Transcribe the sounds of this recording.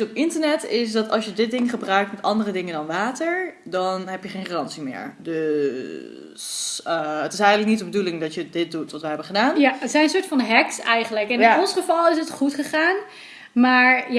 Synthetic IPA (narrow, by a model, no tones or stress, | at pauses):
ɔpɪntəɹnɛtʰɪsdɑtɑ̰lˠsjədɪt̚dɪŋχəbrœɥk̚tmɛtɑndərədɪŋəndɑnʋaːtəɹdɔnɦɛpjəχeːnχarɑntsimɪ̰ːɹdø | səətɪsɛjχənləknitdəbədulɪŋdɑtjədɪt̚dutʋɑtʋɛjɦɛbənχədaːnjətsɛjnənsʊːɹtfɑnɦɛksɛjχənləkɛnnɔnsχəfɑlˠɪs̬ətχutχəχaːn | maːɹj